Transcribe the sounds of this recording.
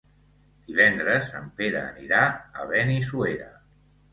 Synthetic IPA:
d̪̥iβ̞ɛnd̪ɾəzəmpeɾə̰ːniɾaə̰βɛnisueɾə

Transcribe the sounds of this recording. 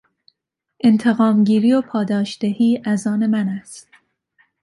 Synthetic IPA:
ʔe̞nt̪ʰe̞ɣɒːmɟiːɾiːopʰɒːd̪ɒːʃd̪̥ehiːʔæzɒːne̞mænæst̪

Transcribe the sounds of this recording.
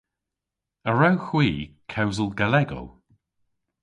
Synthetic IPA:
əɹawxwiːkʰɛwzəlˠɡalɛɡɔ̰lˠ

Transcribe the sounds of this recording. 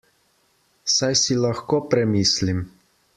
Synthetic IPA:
sajsilaxkopɾɛmiːslim

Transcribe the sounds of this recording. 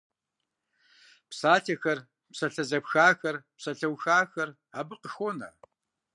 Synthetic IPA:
psaːtʰɐxɐr | psɐɬɐzɐpxaːxɐrpsɐɬɐwxaːxɐr | aːbɨqəxʷonɐ̰

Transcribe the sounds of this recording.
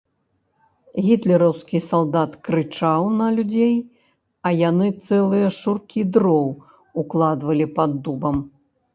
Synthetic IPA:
ɣʲit̪lʲɛɾɐwskʲisalˠd̪at̪kɾɨt͡ʂawnɐlʲud͡zʲej | ɐjanɨt̪sɛlˠɨjɐʂurkʲid̪ɾɔw | uklˠad̪vɐlʲipad̪ːubɐm

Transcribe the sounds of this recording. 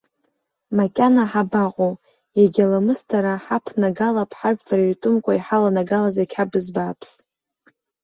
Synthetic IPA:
makʲʼanaħabaqʷʼo | jaɡʲalamɨstʰaɾaħapʰnaɡalapʰħaʒʷᶣtʰʼaraɥtʼʊmkʷʼaiħalanaɡalazakʲʰħabɨzbaːpʰs

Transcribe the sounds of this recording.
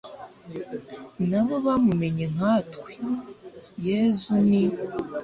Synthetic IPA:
naβo̞βamume̞ɲeŋ̥atwi̥ | jezuni

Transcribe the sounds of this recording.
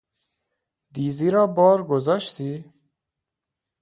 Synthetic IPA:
d̪iːziːɾɒːbɒːɾɡozɒːʃt̪ʰiː

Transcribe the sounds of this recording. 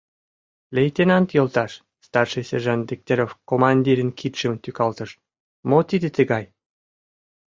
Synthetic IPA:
lʲejt̪enɑnt̪jolt̪ɑʃ | st̪ɑrʃɨsʲerʒɑnd̪ʲik̚t̪ʲeɾofkomɑnʲd̪ʲiɾʲənkʰit̪ʃəmt̪ykɑlt̪ə̆ʃ | mot̪id̪ĕt̪ə̆ɡɑj

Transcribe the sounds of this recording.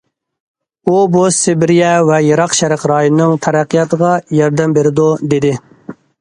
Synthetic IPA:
ubusɪbɪɾijɛvɛjeɾɑqʃæɾɪqɾɑːjonnːɨŋt̪ʰɛɾæqʰːijɑt̪ʰəʁɑjɑɾd̪ɛmbeɾɪd̪ud̪ed̪ɪ

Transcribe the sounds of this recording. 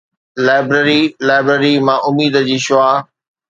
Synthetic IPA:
laːɪbɾəɾilaːɪbɾeɾimãːʔʊmiːd̪əd͡ʑiːʃʊaː

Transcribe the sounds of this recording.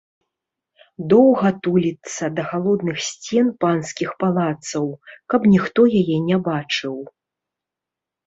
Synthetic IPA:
d̪ɔwɣɐt̪ulʲit̪sɐd̪ɐɣalˠɔd̪nɨxsʲt͡sʲɛnpanskʲixpalˠat̪sɐwkɐpnʲixt̪ɔjajɛnʲɛbat͡ʂɨw

